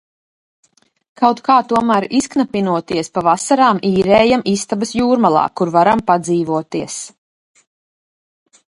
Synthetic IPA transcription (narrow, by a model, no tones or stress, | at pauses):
kʰawt̪kaːt̪uɔmæːɾisknapinuɔt̪iɛspavasaɾaːmiːɾɛːjamist̪abɐsjuːɾmalˠɑ̰ːkuɾvaɾampad̪ziːvuɔt̪iɛs